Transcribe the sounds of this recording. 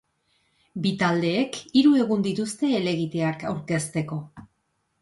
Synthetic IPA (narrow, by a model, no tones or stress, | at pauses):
bit̪ald̪e̞ːkiɾue̞ɣ̞und̪it̪ust̪e̞ːle̞ɣit̪e̞akawɾke̞st̪e̞ko̞